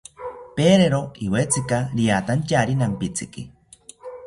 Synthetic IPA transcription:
peɾeɾoiwet͡sɨkaɾijat̪ancaɾinampit͡sikḭ

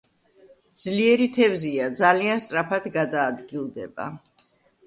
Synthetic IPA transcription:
d̪z̥liɛɾit̪ʰɛvziad̪zalianst̪ʼɾapʰad̪ɡad̪aːd̪ɡilˠd̪ɛba̰

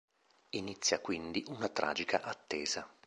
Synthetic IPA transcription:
init̪sːjakwind̪iʔunat̪ɾʔa̰ːd͡ʒikʰaʔat̪ːɛːz̥a

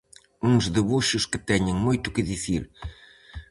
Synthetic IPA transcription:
ũŋzðeβuʃʊskɨt̪ɛɲeŋmujt̪ʊkɨðiθiɾ

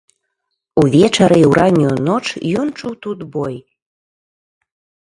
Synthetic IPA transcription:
uβʲet͡ʃɑɾeuɾʔɑnʲunot͡ʃjunt͡ʃut̪ut̪boj

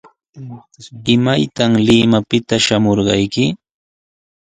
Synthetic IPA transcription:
ɪmajt̪amlɪmapɪt̪aʃamoɾɢɑjkɪ

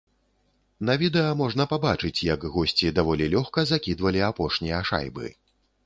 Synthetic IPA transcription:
nɐvʲid̪ɛjɐmɔʐnɐpabat͡ʂɨt͡sʲjɐkɣɔsʲt͡sʲid̪avɔlʲilʲɔxkɐzakʲid̪vɐlʲiapɔʂnʲijɐʂa̰jbɨ̰

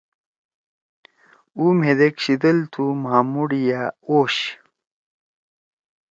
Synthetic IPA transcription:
umɦed̪ekɕid̪ɐlt̪ʰumaːmuɽijaoːɕ

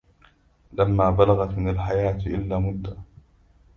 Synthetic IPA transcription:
lamːaːbalaɣat̪mɪnalħajaːt̪ʔɪ̰lːaːmʊd̪ːa

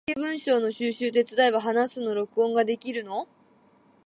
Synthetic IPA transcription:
ebɯ̟̃ɰ̃ɕo̞ːno̞ɕɨːɕɨːt̪̬e̞t͡sɨd̪aiβaɦanasɨno̞ɾo̞kɯ̟õ̞ŋɡad̪e̞kʲiɾɯ̟no̞

